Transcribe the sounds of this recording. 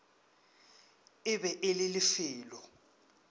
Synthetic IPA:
ɪbɛʔɪlɪlɪfɪːlɔ

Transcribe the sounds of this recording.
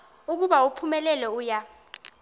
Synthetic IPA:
uk̬uɓaupʰumɛlɛlɛuːja

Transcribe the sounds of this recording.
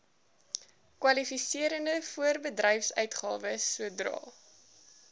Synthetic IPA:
kwɐlifisiəɾəndəfuərbədrɛjfsœ̰ɥtχɑːvəsuədrɑ̰ː

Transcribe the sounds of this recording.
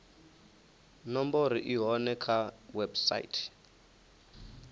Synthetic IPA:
nɔmboɾiʔiɦɔnɛkʰawɛbsa̰ḭtʰ

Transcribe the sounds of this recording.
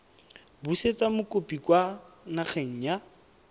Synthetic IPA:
buset͡samʊkʼopʼikwa | naχʰeŋ̩ja

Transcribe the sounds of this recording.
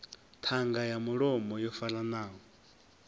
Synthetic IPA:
t̪ʰaŋɡajamuɺɔmɔjɔfalanaːɦɔ

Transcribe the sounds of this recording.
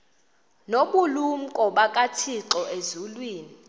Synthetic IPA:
noɓulum̩kʼɔɓakʼatʰiǁɔezulwiːni

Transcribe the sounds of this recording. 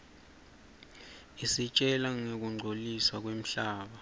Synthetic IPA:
isit͡ʃʼɛlaŋek̬uŋ͡ǀʱoliswak̬wem̩ɬaːɓa

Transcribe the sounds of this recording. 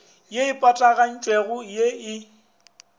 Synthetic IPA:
jeɪpʼatʼaɣan̩t͡ʃʼweɣʊjeɪ

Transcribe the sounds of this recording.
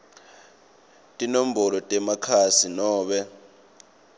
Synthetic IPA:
tʼinom̩bɔlɔtʼɛmakʰasinɔːɓɛ

